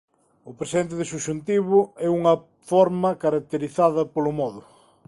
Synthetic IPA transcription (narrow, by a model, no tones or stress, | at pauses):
ʊpɾesiðent̪̬ɪðɪsuʃunt̪iβʊɛuŋɐ | fɔɾmɐkaɾak̚t̪eɾiθaðɐpolʊmɔðʊ